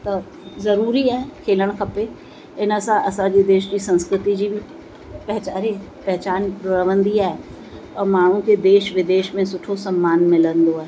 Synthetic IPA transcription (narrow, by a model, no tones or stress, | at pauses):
t̪ɐ | zɐɾuːɾiaːɦekʰeːləɽ̃kʰɐpe | ɪnəsãʔɐsãd͡ʑiːd̪eːʃd͡ʑiːsɐ̃nskɾɪt̪id͡ʑiːbɪ | pɐɦɪt͡ɕaːɾe | pɐɦɪt͡ɕaːnɾɐəʋə̃nd̪iaːɦe | ɔmaːɳ̤ũkʰeːd̪eːʃʋɪd̪eːʃmẽsʊʈʰosɐmːaːnmɪlənd̪oaːɦe